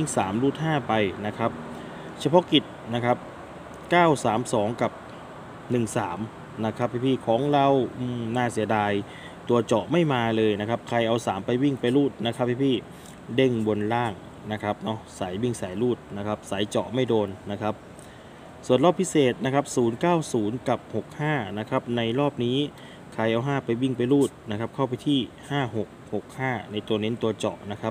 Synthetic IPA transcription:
i˥˩ŋsaː˩˦mɾuː˥˩t̪̚haː˥˩pa˧jna˦˥kʰa˦˥p̚ | t͡ɕʰa˧pʰɔ˦˥ki˨˩t̪̚na˦˥kʰa˦˥p̚ | kaː˥˩wsaː˩˦msɔː˩˦ŋka˨˩p̚ | nɯ˨˩ŋsaː˩˦m | na˦˥kʰa˦˥p̚ʰːa˧˩pʰiː˧˥˩kʰɔː˩˦ŋɾa˧wʔɯ˧˩naː˥˩si˨˩˦ɐdaː˧j | t̪u˧ɐt͡ɕɔ˨˩ʔma˥˩jmaː˧lɤː˧jna˦˥kʰa˦˥p̚kʰa˧jʔa˧wsaː˩˦mpa˧jwi˥˩ŋpa˧jɾuː˥˩t̪̚na˦˥kʰa˦˥p̚pʰaː˧˥˩pʰiː˥˩ | de˥˩ŋbo˧nlaː˥˩ŋ | na˦˥kʰa˦˥p̚nɔ˦˥saː˩˦jwi˥˩ŋsaː˩˦jɾuː˥˩t̪̚na˦˥kʰa˦˥p̚saː˩˦jt͡ɕɔ̰˨˩ʔma˥˩jdoː˧nːa˦˥kʰa˦˥p̚ | su˨˩ənlɔː˥˩pʰi˦˥seː˨˩t̪̚na˦˥kʰa˦˥p̚suː˩˦nkaː˥˩wsuː˩˦nka˨˩p̚ho˨˩k̚haː˥˩na˦˥kʰa˦˥p̚na˧jɾɔː˥˩p̚niː˦˥ | kʰa˧jʔa˧wɦaː˥˩pa˧jwi˥˩ŋpa˧jɾuː˥˩t̪̚na˦˥kʰa˦˥p̚kʰa˥˩wpa˧jt̪ʰiː˥˩haː˥˩ho˨˩k̚ho˨˩k̚haː˥˩na˧jt̪u˧ɐne˦˥nt̪u˧ɐt͡ɕɔ̰˨˩ʔna˦˥kʰa˦˥p̚

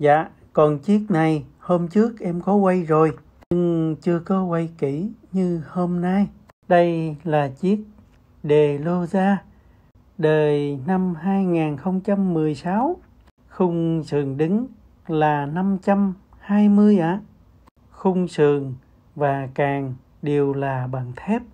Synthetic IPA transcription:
za̰ː˧˨ | kɔ˨˩nt͡ɕi˦˥ət̚na˨˩jho˧mt͡ɕɨ˦˥ək̚ʔɛ˧mkɔ˨˦wa˧jzo˨˩j | ɲɨ˧ŋt͡ɕɨ˧əkɔ˨˦wa˧jki˧˩ɲɨ˧ho˧mna˧j | ɗə˧jlaː˨˩t͡ɕi˦˥ət̚ | ɗe˨˩lo˧zaː˧ | ɗəː˨˩jna˧mhaː˧jŋaː˨˩nxə˧wŋ͡mt͡ɕa˧mːɨ˨˩əjsaː˨˦w | xʊ˧wŋ͡msɨ˨˩əŋɗi˨˦ŋ̟ | laː˨˩na˧mt͡ɕa˧m | haː˧jmɨ˧əjʔaː˧˨˦ | xʊ˧wŋ͡msɨ˨əŋ | vaː˨˩kaː˨˩ŋ | ɗe˨˩əwlaː˨˩ɓaː˨˩ŋt̪ʰɛ˦˥p̚

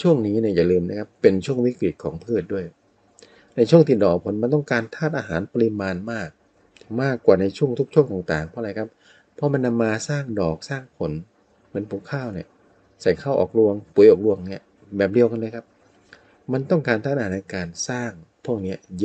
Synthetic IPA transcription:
t͡ɕʰu˥˩əŋniː˦˥ni˥˩ɐjaː˨˩lɯː˧mna˦˥kʰpːe˧nt͡ɕʰu˥˩əŋwi˦˥˩kɾi˨˩t̪̚kʰɔː˩˦ŋpʰɯː˥˩t̪̚du˥˩əjk | na˧jt͡ɕʰu˥˩əŋt̪ʰiː˧˩dɔː˨˩ɔ˨˩pʰo˨˩˦nma˧nt̪ɔ˥˩ŋkaː˧nt̪ʰaː˥˩t̪̚ʔaː˧ɦaː˩˦npa˧li˦˧˥maː˧nmaː˥˩k̚ | maː˥˩kwaː˨˩na˧jt͡ɕʰu˥˩əŋt̪ʰu˦˥k̚t͡ɕʰu˥˩əŋt̪aː˨˩ŋt̪aː˨˩ŋpʰɔ˦˥˧ɾa˧jkʰa˦˥p̚ʰː | ɔ˦˥ma˧nːa˧mːaː˧saː˥˩ŋdɔː˨˩k̚saː˥˩ŋpʰo˨˩˦n | mɯ˩˦npʰu˨˦kʰaː˥˩wni˧˩ɐ | sa˨˩˦jkʰaː˥˩wʔɔ̰ː˨˩k̚lu˧əŋpu˩˦jʔɔː˨˩k̚lu˧əŋni˦˥ɐ | bɛː˨˩p̚li˧əwka˧nleː˦˥˩kʰa˦˥p̚ | ma˧nt̪ɔ˥˩ŋkaː˧nt̪aː˥˩t̪̚ʔːna˧kaː˧nsaː˥˩ŋpʰu˥˩əŋ̚ni˦˥ɐj

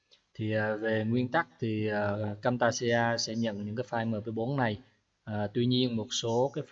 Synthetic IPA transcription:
t̪ʰi˨˩ʔəː˨˩ve˨˩ŋwi˧ənt̪a˦˥k̚t̪ʰi˨˩ʔəː˨˩˨kaː˧mt̪aː˧si˧aː˧sɛ̰˧˥ɲə̰˧˨nɲɨ̰˧˥ŋkaː˨˦jfaː˧jməː˧˩pə˨˦ɓo˨˦nːa˨˩j | ʔəː˨˩t̪wi˧ɲi˧ənmo˨˩t̚so˨˦kaː˨˦j

